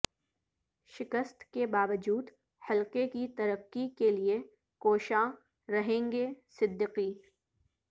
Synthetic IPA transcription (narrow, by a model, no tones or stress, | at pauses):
ʃɪkəst̪kebaːʋəd͡ʒuːd̪ | hɐlqekit̪ɐɾəqːikelie | koːʃã | ɾɐɦẽːŋɡesɪd̪ːɪqiː